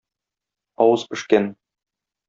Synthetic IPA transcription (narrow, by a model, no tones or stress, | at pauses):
ɒwɤz̥pɘ̆ʃkæn